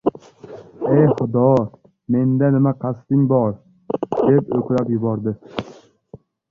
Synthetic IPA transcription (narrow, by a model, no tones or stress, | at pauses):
ejχʊd̪ɒ | me̞nd̪anɪmaqʰɑst̪ɪŋbɒɾ | d̪̥e̞pɵkʲɾapjʊbɒɾd̪ɪ